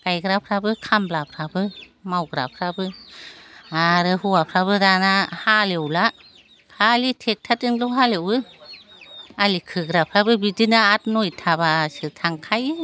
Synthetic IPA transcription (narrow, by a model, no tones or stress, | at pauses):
kajɡɾapʰɾabɯkʰamblapʰɾabɯ | mawɡɾa̰pʰɾabɯ | aɾɯhuwapʰɾabɯdanahalewla | kʰalitʰek̚tʰatɯŋlɔɦalewɯ | alikʰɯɡɾapʰɾabɯbidinaat̚nojtʰaβasɯtʰaŋkʰajɯ